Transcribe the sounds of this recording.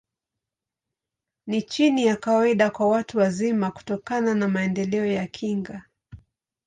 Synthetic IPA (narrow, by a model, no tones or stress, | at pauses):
nit͡ʃinijakawaiɗakwawatuwazimaku̥tɔkananamaɛndɛlɛɔjakʰiŋɡa